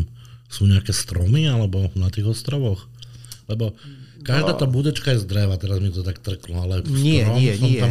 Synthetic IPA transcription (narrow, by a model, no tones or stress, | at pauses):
msuːɲɛakɛst̪ɾɔmialɛbɔnat̪iːɣɔst̪ɾɔʋɔx | lɛbɔkaʒd̪aːt̪aːbuːd̪ɛt͡ʃkajɛzd̪ɾɛʋaːt̪ɛɾazmit̪ɔt̪ɔt̪akt̪r̩klɔalɛsɾɔmsɔt̪a